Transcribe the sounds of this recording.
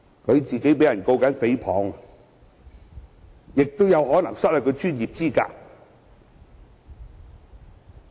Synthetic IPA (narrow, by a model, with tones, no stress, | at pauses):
kʰɵ˨˧ɥt͡siː˨ke˨˥jpe˨˥jɐ˨˩nko˧wkɐ˨˥nfe˨˥jpʰɔː˨˥ŋ | jɪ˨k̚t̪wjɐ˨˧whɔː˨˥nɐ˨˩ŋsɐ˥lɐ˨˩kʰɵ˨˧ɥt͡ʃyː˥njiː˨p̚t͡siː˥ka̰ː˧